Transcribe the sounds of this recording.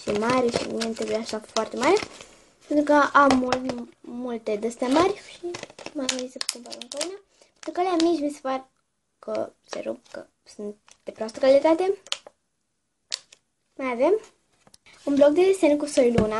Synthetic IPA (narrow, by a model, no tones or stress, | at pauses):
ʃimaɾeʃḭmḭnent̪ɾebujaʃafoart̪e̞maɾe | pe̞nt̪ɾukəʔamːulmult̪e̞d̪əst̪amərʲʃimamanisəpk̪upaluŋkauna | pent̪ɾukəleamit͡ʃʲmisepar | kə̰sḛɾob̚kə̰ | sunt̪̚ | d̪̥epɾoast̪əkalit̪at̪e̞ | majave̞m | unblok̚d̪ed̪esenkusojluna